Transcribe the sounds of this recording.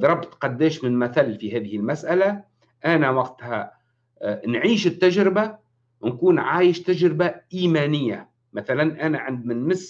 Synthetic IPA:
ðɾˤɑbt̪qɑd̪ːɛːʃmɪnmæθælːfiɦɛːðɪhɪlmasʔala | ʔanæwɑɡt̪ha | nʕiːʃɪt̪ːaʒɾɪba | wnkuːnʕaːjɪʃt̪aʒɾɪbaʔiːmæːnɪjːa | maθalanʔanaʕɪnd̪̚mɪnmɪs

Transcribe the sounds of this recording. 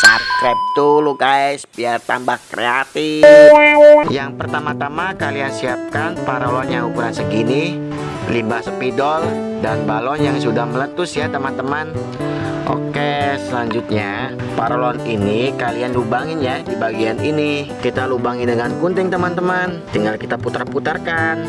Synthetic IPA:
sarkɾɛp̚t̪ulukaɛsəbiart̪ambahkɾḛat̪i | jaŋpərt̪amat̪amakaliansiap̚kanpaɾolɔnjaŋukuɾansəɡini | limbasəpidɔl | danbalɔnjaŋsudahmələt̪ʊsjat̪əmant̪əman | ʔo̰kesəlaɲd͡ʒʊt̪̚ɲapaɾolɔninikalianlubaŋɪnjadibaɡianinikit̪alubaŋɪndəŋankunt̪ɪŋt̪əmant̪əmant̪iŋɡalkit̪aput̪ərput̪ərkan

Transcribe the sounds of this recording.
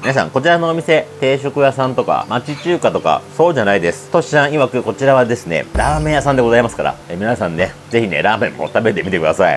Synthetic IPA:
minas̬ã̰ŋko̞t͡ɕiɾano̞ːmʲise̞t̪e̞ːɕo̞kɯ̟jasãnt̪o̞ka̰mat͡ɕit͡ɕɨːkat̪o̞ka̰so̞ːʑanaid̪e̞sɨ̥t̪o̞ɕi̥sãɰ̃iβakɯ̟ko̞t͡ɕiɾaβad̪e̞sɨne̞̰ɾaːmẽjasãnd̪eɡo̞zaimasɨ̥ka̰ɾa̰emʲinasãnːe̞ | ze̞çinḛɾaːmẽ̞mːo̞̰t̪abe̞t̪e̞mʲit̪ekɯ̟d̪asaḭ

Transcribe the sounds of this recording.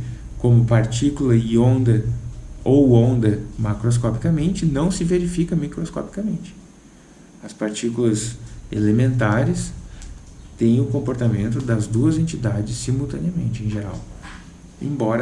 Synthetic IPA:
kõmʊpaɾt͡ʃikulɐɪõnd̪ɐ | owõnd̪ɐmakɾos̬kɔpikɐmẽnt͡ʃɪnɐ̃w̃sɪveɾifikɐmikɾoskɔ̰pi̥kɐmẽnt͡ʃɪ̥ | ɐspaɾt͡ʃikulɐsḛlemẽnt̪̬aɾɪs | t̪ẽj̃ʊkõmpoɾt̪amẽnt̪ʊd̪ɐzd̪uɐzẽnt͡ʃid̪ad͡ʒɪsːimuwt̪ɐ̃nɪɐmḛ̃nt͡ʃɪẽj̃ʒeɾa̰w | ḛ̃bɔɾɐ

